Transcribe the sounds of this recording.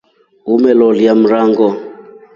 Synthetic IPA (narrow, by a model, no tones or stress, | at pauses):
ɦumɛlɔlijam̩raːŋɡɔ